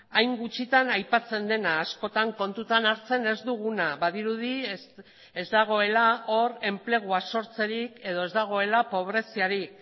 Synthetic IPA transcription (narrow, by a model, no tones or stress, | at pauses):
ajŋɡut͡ʃit̪anajpat͡se̞nd̪e̞naːsko̞t̪aŋko̞nt̪ut̪anaɾt͡se̞ne̞zd̪uɣ̞unaβaðiɾuð̞i | e̞zd̪aɣ̞o̞e̞lao̞ɾe̞mple̞ɣ̞uaso̞ɾt͡se̞ɾike̞ð̞o̞e̞zd̪aɣ̞o̞e̞lapo̞β̞ɾe̞siaɾik